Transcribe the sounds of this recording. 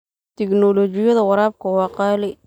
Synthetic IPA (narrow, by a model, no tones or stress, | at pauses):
t̪ʰɪknɔlɔːt͡ʃɪjɐðɐwɑɾaːb̚kʰɐwɑːqɑːlɛ